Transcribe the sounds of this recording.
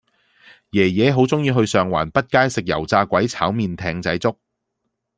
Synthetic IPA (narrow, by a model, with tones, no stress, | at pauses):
jɛː˨˩jɛː˨˧ɦo˨˥wt͡sʊ˥ŋjiː˧ɦɵ˧ɥsœː˨ŋwa̰ː˨˩npɐ˥t̚kaː˥jsɪ˨k̚jɐ̰˨˩wt͡saː˧kʷɐ˨˥jt͡sʰaː˨˥wmiː˨nt̪ʰɛː˧ŋt͡sɐ˨˥jt͡sʊ˥k̚